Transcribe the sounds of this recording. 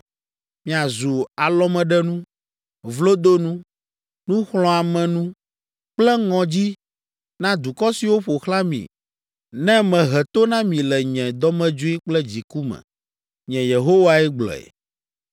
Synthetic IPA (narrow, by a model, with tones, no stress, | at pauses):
mĩ˨a˨zu˨a˨lɔ˦mɛ̃˨ɖɛ˦nũ˦ | vlo˦d̪o˦nũ˦ | nũ˦xlɔ̃˨a˨mɛ̃˨nũ˦ | k͡plɛ˦ŋɔ̃˨d͡ʑi˦ | nã˦d̪u˨kɔ˦si˨wo˦ɸo˨xla˦mḭ̃˨ | nɛ̃˦mɛ̃˨ɦɛ˨t̪o˦nã˦mĩ˨lɛ˨ɲɛ̃˨d̪ɔ˦mɛ̃˦d͡ʒu˦i˦k͡plɛ˦d͡ʑi˨ku˦mɛ̰̃˨ | ɲɛ̃˨je˨ɦo˦wa˦ɛ˦ɡ͡blɔ̰˨ḛ˨